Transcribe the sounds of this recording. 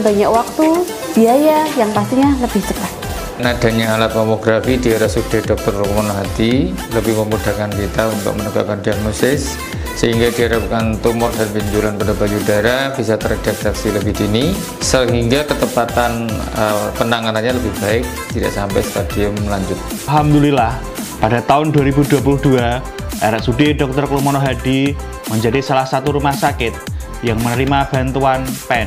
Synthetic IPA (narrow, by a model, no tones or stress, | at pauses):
baɲakwak̚t̪u | b̥iajajaŋpast̪iɲaləb̥ɪht̪əpat̪̚ | nadaɲaːlat̪̚mɔmoɡɾafidiaɾasuk̚d̥adɔk̚t̪ɔrmɔnɦat̪i | ləbɪhməmudakankit̪aunt̪ʊ̰k̚mənəka̰kandiak̚nosɪsː | əɦiŋɡadiɦaɾap̚kant̪umʊrdanbiɲt͡ʃulanpənabad͡ʒudaeɾahb̥isat̪əɾad̥ak̚saksiləbɪhdini | səɦiŋɡakət̪əpat̪an | əpənaŋananɲaləbɪhb̥aɪk̚t̪idaʔsampajst̪adiəmlaɲd͡ʒʊt̪̚aɦamd̪ulilah | padat̪aʊnduaɾibuduwapuluhdua | ʔaɾaʔsudidɔk̚t̪ɔrklumɔnoɦadi | məɲd͡ʒadisalahsat̪uɾumahsakɪt̪̚ | jaŋmənəɾimab̥a̤nt̪uanpɛn